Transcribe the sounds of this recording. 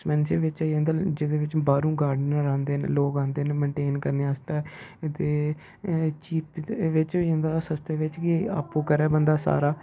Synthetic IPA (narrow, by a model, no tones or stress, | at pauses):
smɛːnseʋɪt͡ʃːjãːnd̪ad͡ʒɪd̪eːʋɪt͡ʃbaːɾũːɡaːɾɖənɾãːnd̪eːn̰loːkãːnd̪eːnmə̃ɳʈeːnkəɾneːaːst̪eːt̪eː | t͡ʃiːpʋɪt͡ʃːjãːnd̪aːsəst̪eːʋɪt͡ʃkia̰ːpːõːkəɾɛːbənd̪aːsa̰ːɾaː